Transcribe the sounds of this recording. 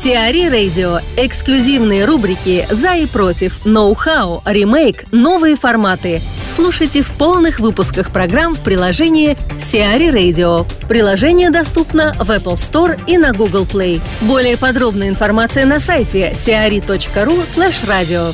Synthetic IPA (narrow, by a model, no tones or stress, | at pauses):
sʲɪɐɾʲiɾejdʲɪoɪksklʲʉzʲivnɨjəɾubɾʲɪkʲɪzɐipɾo̞tʲɪfnowxaoɾʲɪmejkno̞vɨjəfɐrmat̪ɨslˠuʂəjtʲɪfpolˠnɨxvɨpʊskəxpɾɐɡɾamfpɾʲɪlˠɐʐɛnʲɪjɪsʲɪaɾʲiɾejdʲɪopɾʲɪlˠɐʐɛnʲɪjəd̪ɐst̪upnəvɛpəlˠst̪o̞rinɐɡuɡəlˠplˠej | bo̞lʲɪjəpɐd̪ɾo̞bnɨjəɪnfɐrmat̪sɨjənɐsajtʲɪsʲɪɐɾʲit̪o̞t͡ɕkəɾuslʲˠɛʂradʲɪo